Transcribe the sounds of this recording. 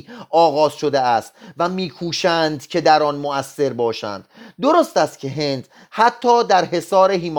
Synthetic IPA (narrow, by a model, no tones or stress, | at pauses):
ɒːɣɒːz̥ʃo̞d̪eæst̪væmiːkʰuːʃænd̪cʰe̞d̪æɾɒnmoæsːe̞ɾbɒːʃæ̰nd̪̥d̪o̞ɾost̪æst̪̚cʰe̞ɦe̞nd̪̥ | hæt̪ʰːɒːd̪æɾɦe̞sɒːɾe̞ɦiːm